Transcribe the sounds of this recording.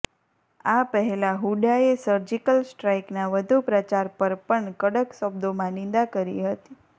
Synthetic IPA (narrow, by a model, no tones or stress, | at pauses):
apəɦɛlaɦuɖaesəɾd͡ʒikəlsʈɾaiknaʋəd̪ʱupɾət͡ʃaɾpəɾpəɳkəɽəksəbd̪omãnɪ̃nd̪akəɾḭɦət̪i̥